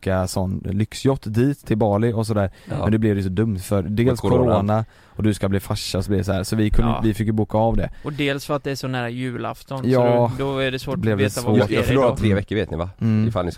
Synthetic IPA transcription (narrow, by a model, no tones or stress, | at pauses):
kasɔnːlʏksjɔt̪ːd̪iːt̪ʰːɪlbɑːɭɪɔs̬ɔd̪æːɾmɛnd̪ɛblɛvd̪ɛjsɔd̪ɵmt̪fœɾd̪eːlskʰɔɾoːna | ɔd̪ɵskabliːfaʂːaɔsɔblɪd̪ɛs̬ɔæːɾsɔvɪkʰɵnvɪfɪkːjɵbuːkaːvd̪ɛɔd̪eːlsfœɾat̪̚d̪ɛʂɔnæːɾajʉ̟ːla̰ft̪ɔnjɑɔːd̪ɔæɖɛsvoːblɛvd̪ɛavoːfɭuːɾɔt̪ʰɾeːvɛkːəɾveːt̪nɪvaɪfalɪ